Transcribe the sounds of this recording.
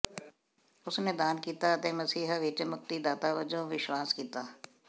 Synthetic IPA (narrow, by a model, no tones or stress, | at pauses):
ʊsned̪aːnkiːt̪aɐt̪eːmɐsiːɦʋiːt͡ʃəmʊk̚t̪id̪aːt̪aːʋəd͡ʒõʋɪʃwaːskiːt̪aː